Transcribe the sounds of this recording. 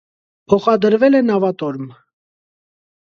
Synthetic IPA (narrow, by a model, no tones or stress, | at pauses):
pʰɔχɑd̪əɾvɛlɛnɑvɑt̪ɔɾm